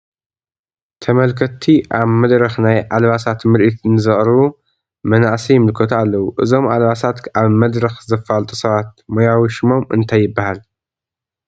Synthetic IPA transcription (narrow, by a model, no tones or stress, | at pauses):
t̪ʰɐmɐlkʰɐt̪ʰːiʔaβmɐd̪ɾɐxnajʕalβasat̪mɨɾʔit̪nɨzɨχʼɾɨβu | mɐnaʕsijɪmɨlkʰɐt̪ʰalːɐwuʔɨzo̞mʔalβasat̪ʔaβmɐd̪ɾɐxzɐfalt̪ʼusɐβat̪̚mojawʃɨmo̞mɨ̰nt̪ʰajːɪbːahal